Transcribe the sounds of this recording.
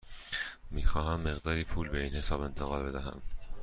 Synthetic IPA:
miːxɒːɦæmːeɣd̪ɒːɾiːpʰuːlbeiːnhe̞sɒːbe̞nt̪ʰeɣɑːlbe̞d̪æɦæ̰m

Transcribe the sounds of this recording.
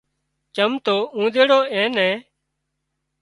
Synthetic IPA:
t͡ʃəmt̪oːũːd̪eːɽoːẽːnɛ̃ː

